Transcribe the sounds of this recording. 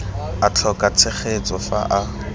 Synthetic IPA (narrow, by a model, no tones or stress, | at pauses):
at͡ɬʰɔkʼat͡sʰeχet͡sʼɔfa̰ʔa